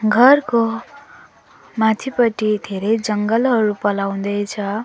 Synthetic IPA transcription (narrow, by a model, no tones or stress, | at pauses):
ɡʱʌrko | mat̪ʰipʌʈid̪ʱeɾʌjd͡zʌŋɡʌlɦʌɾupʌlaw̃d̪ʌjt͡sʰʌ